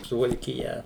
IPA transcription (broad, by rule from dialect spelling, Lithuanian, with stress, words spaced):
sʊʋɐlʲkʲɪˈjɛ